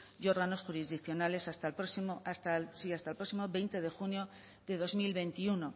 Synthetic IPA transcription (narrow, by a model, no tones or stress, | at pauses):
jo̞ɾɣano̞sxuɾizðikθjo̞nale̞sast̪alpɾosimoast̪asiast̪alpɾo̞ksimo̞βe̞jnt̪e̞ðe̞xunjo̞ | ðe̞ðo̞zmilβe̞nt̪iuno̞